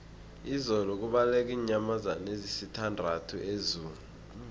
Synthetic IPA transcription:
izɔlɔk̬uɓalɛk̬ʼiːɲamazanezisitʰandʱatʰuʔezuːlu

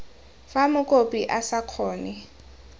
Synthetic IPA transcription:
famʊkʼopʼiʔasakʰɔːnɛ

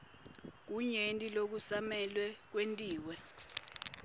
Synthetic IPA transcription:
k̬uɲentʼilok̬usamɛlwɛk̬wentʼiːwɛ

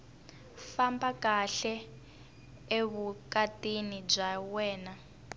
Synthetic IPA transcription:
fambakaɬɛ | eβukatinib͡ʐawɛːna

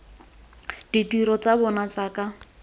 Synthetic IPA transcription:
d̥itiɾɔt͡sabɔnat͡saka

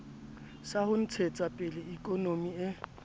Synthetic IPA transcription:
sahʊn̩t͡sʰet͡sʼapʼɪlɪikʼɔnomiɪ

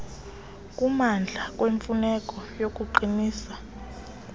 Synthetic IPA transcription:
kʼumand͡ɮʱakʼweɱfunɛkʼɔjok̬ʼuǃiniːsḁ

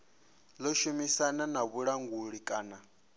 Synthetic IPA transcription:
lɔʃumisananaβuɺaŋɡuɺikʼaːna

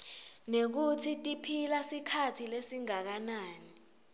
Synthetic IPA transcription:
nek̬utʰitʼipʰilasikʰatʰilesiŋak̬anaːni

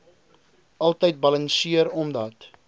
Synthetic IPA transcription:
ʔɐlˠtəjt̚bɐlɐnsiəɾɔmdɐt

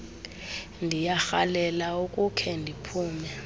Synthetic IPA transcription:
ndʱijaxalɛlaukʼukʰɛndʱipʰuːmɛ

